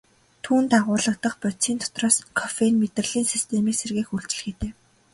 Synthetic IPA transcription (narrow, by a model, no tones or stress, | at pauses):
t̪ʰuːnt̪aʁʊːɮə̆k̚t̪ə̆χpʊt͡siːnt̪ʰɔ̥t̪rɔːskʰɔfenmet̪rə̆ɮiːnsist̪ʰemiːkserɣeːxuɮt͡ɕ̆ɮɘ̆xeːt̪eː